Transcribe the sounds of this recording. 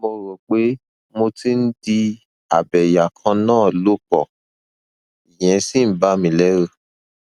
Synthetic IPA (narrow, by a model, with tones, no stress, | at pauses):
mo˧ɾɔ˨k͡pe˦ | mo˧ti˦n̩˦di˧ | a̰˨bɛ˨ja˨kʰã˧nãː˦˨lo˦k͡pɔ˨ | i˨j̃ɛ̃˨˦si˦˨n̩˦ba˦mĩ˧lɛ˦ɾo˦˨